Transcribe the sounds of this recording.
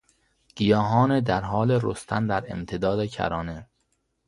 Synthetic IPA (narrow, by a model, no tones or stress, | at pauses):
ɡ̥ijɒːɦɒːned̪æɾɦɒːleɾost̪ʰænd̪æɾḛmt̪ʰed̪ɒːd̪ecʰæ̰ɾɒːne